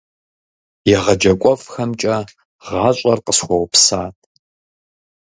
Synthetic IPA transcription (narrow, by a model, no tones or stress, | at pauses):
jɛʁɐd͡ʒɐkʷʼɔfxɐmt͡ʃʼɐ | ʁɑːɕʷʼɐrqəsχʷɔwpʰsaːtʼ